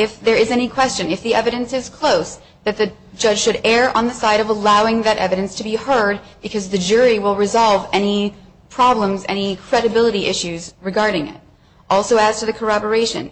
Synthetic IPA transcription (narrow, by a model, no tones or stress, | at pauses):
ɪfðə˞ɨzɛnikʰw̥ɛst͡ʃɨ̃nɨfðiʔɛvɨɾɨ̃nsɨz̥kʰl̥oʊs | ðɨt̪̚ðɨ | d͡ʒʌd̥ʒ̥ʃɨɾɛɹʔə̰̃nðɨsaɪɾʌvəlaʊɪ̃ŋðɨɾʔɛ̰vɨɾɨ̃nstʰɨbihɜ˞d̚b̥ɨkʰʌzðɨd͡ʒʊɹiwɪlˠɹɨzɑlˠvɛñi | pʰɹ̥ɑblə̃mzɛ̰ñikʰɹ̥ɛɾɨbɪlˠəɾiʔɪʃʉzɹɨɡɑɹɾɪ̃ŋɪ̰t | ʔɔlˠsoʊɨz̥tʰɨðɨkʰə˞ɑbə˞eɪʃɨ̰̃n